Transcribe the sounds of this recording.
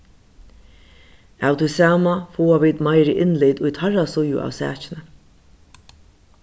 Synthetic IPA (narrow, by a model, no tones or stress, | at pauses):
awt̪ʰijsawmafuːaʋiːt̪majɾɪʔɪnliːt̪ʊjt̪ʰarasʊjʊ̰ʔa̰ːwsæ̰ːt͡ʃɪnə